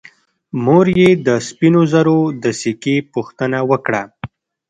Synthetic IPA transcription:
moɾjed̪əspinozaɾod̪əsikepuxt̪ənawəkɽa

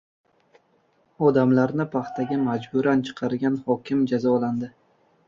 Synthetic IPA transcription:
ɒd̪amlaɾnɪpʰɑχt̪ʰaɡʲamad͡ʒbʊɾant͡ʃʰɨ̥qʰɑɾɡʲanhɒkʲɪmd͡ʒazɒland̪ɪ

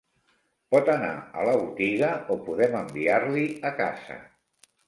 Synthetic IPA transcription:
pɔt̪əna̰ə̰ləβut̪iɣəopuðɛməmbiaɾliəka̰z̥ə̰

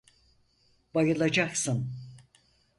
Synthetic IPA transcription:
bajɯlˠad͡ʒaksɯn

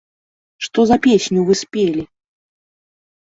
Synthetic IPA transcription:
ʂt̪ɔzɐpʲesʲnʲuvɨsʲpʲelʲi

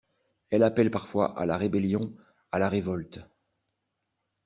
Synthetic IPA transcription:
ɛlapɛlpaʁfwa̰ʔa̰laʁebeljɔ̃ | alaʁevɔlt̪

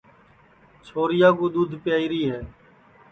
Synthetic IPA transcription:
t͡ʃʰoːɾɪjaːkũːɗ̪uːd̪ʱpɪjaːiːɾiːɦɛː

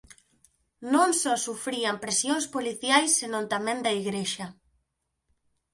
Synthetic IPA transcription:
nõŋsɔsufɾiampɾesjõnspoliθjajsːenõnt̪amẽnd̪ɐiɣɾeʃɐ

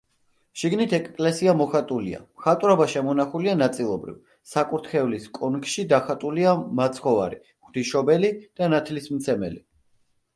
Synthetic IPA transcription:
ʃiɡnit̪ʰɛkʼkʼlɛsiamɔχat̪ʼulia̰mχat̪ʼɾɔbaʃɛmɔnaχulianat̪sʼilˠɔbɾḭv | sakʼuɾt̪ʰχɛuliskʼɔnkʼʃid̪aχat̪ʼuliamat̪sʰχɔva̰ɾi | χd̪̥iʃɔbɛlid̪̥anat̪ʰlismt̪sʰɛmɛ̰li

